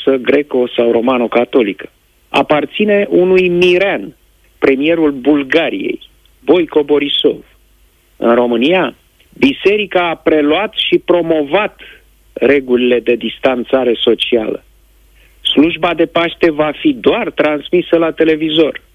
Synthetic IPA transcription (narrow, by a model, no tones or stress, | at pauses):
səɡɾe̞ko̞sawɾo̞manokat̪o̞likə̥ | a̰part̪sine̞ʔunujmiɾan | pɾe̞mije̞ɾulbulɡaɾḭje̞̰j | bo̞jko̞bo̞ɾiso̞̰v | ɨ̰nro̞mɨnia | bise̞ɾikaːpɾe̞luat̪ʃipɾo̞mo̞vat̪ | re̞ɡulile̞d̪e̞d̪ist̪ant̪saɾe̞so̞t͡ʃia̰lə̰ | sluʒbad̪e̞paʃt̪e̞vafid̪oart̪ɾansmisəlat̪e̞le̞vizo̞r